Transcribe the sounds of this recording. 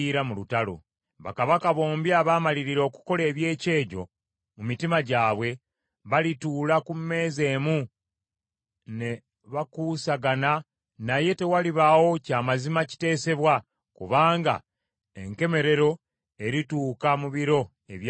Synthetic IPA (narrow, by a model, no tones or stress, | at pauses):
iɾamulutalo̰ | βa̰kaβakaβo̞ːmbjaːβaːmaliɾiɾo̞ːku̥ko̞le̞ːβje̞ːce̞ːɟo̞̰ | mumitimaɟaːβwe̞ | βalituːlakumːe̞ːze̞ːmu | ne̞ | βakuːsaɡana | naje̞te̞waliβawo̞caːmazimaci̥te̞ːse̞βwa | kuβaːŋɡa̰ | ḛŋke̞me̞ɾe̞ɾo̞ | e̞ɾituːkamuβiɾo̞ | e̞βj